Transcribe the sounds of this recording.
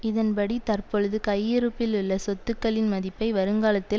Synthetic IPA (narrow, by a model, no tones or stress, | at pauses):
ɪðɐnpɐɽit̪ɐrpɔɻɯðɯkɐjːɪɾɯpːɪlʊɭːɐsɔt̪ːɯkːɐɭɪnmɐðɪpːɐɪʋɐɾɯŋɡaːlɐt̪ːɪl